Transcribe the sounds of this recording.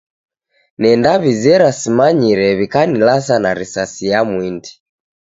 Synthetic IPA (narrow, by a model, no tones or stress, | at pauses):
nɛndaβizɛɾasimaɲiɾɛβikanilas̬anaɾisasijamwindi̥